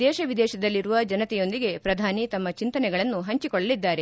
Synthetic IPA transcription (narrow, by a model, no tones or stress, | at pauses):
d̪ɛːʃɐʋid̪ɛːʃɐd̪ɐlːiɾuʋɐd͡ʒɐnɐt̪ɛjo̞nd̪iɡe̞pɾɐd̪ʱaːnit̪ɐmːɐt͡ʃint̪ɐnɛɡɐɭɐnːuɦɐɲt͡ʃikɔɭːɐlid̪ːaːɾe̞